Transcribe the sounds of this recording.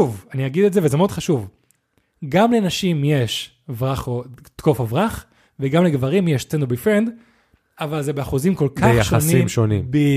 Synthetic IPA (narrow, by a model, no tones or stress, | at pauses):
uvaniaɡid̪etzevezemeod̪χaʃuv | ɡamlenaʃimje̞ʃ | vʁaχot̪kofovʁaχ | veɡamleɡvaʁimjeʃt͡sendobifʁend̪ | avalzebeaχuzimko̞lkaeχjaʃχoasnimʃonimbi